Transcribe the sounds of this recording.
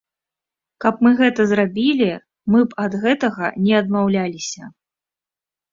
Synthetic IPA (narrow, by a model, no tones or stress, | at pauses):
kɐpmɨɣɛt̪ɐzrabʲilʲi | mɨpɐd̪ɣɛt̪ɐɣɐnʲɛɐd̪mawlʲalʲisʲɐ